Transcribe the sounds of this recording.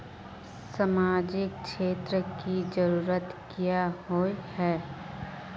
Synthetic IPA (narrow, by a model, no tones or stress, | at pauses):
səmaːd͡ʒɪk̚ʃeːt̪ɾəkid͡ʒəɾuːɾət̪kijaɦoihɛː